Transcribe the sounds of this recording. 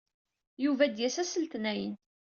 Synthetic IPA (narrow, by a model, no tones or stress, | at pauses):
juvæd̪jæsæsəlt̪næjən